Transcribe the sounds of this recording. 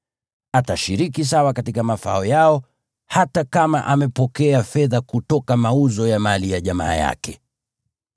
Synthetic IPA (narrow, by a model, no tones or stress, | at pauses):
ataʃiɾikis̬awakatikamafaɔjaɔ | hatakama̰ʔamɛpɔkɛafɛðakutɔkamauzɔjamalijaʄama̰ːja̰kɛ